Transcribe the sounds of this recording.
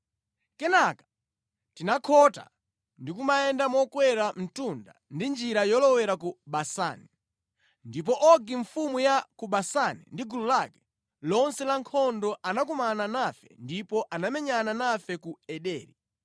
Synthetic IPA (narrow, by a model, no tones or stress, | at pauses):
kɛnakḁ | tinakʰɔta̰ | ndikumaɛndamɔkwɛɾam̩tunda̰ndind͡ʒiɾajɔlɔwɛɾakuɓasa̰ːnɛ | ndip̬ɔʔɔɡiɱfumujakuɓasanɛ̰ndiɡululakɛ̥ | lɔnsɛlaŋkʰɔndɔʔanakumananafɛ̰ndipɔʔanamɛɲananafɛkuɛɗɛːɾi